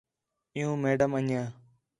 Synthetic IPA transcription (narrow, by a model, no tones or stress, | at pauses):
ɪjũːmeːɖəməɲjãː